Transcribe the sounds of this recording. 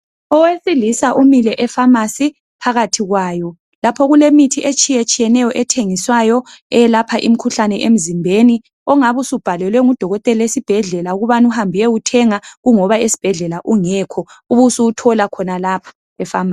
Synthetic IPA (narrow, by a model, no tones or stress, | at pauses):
ɔwesilisaʔumilɛʔɛfamasi | pʰaɣatʰiɣwaːjɔ | lapʰɔɣulemitʰiʔet͡ʃʼijet͡ʃʼijɛnɛjɔʔɛtʰeŋiswajɔɛɛlapʰaʔḭm̩kʰuɬanɛʔem̩zimbʱeni | ɔŋaβusub̥ʱalɛlwɛŋud̥ʱɔɣɔtʼɛlaesib̥ʱɛɮɛlauɣuβanuhambʱijɛutʰɛŋaɣuŋɔβaesi̥b̥ʱɛɮɛlaʔuŋɛːkʰɔuβusuutʰɔlakʰɔnalaːpʰḁ | ɛfama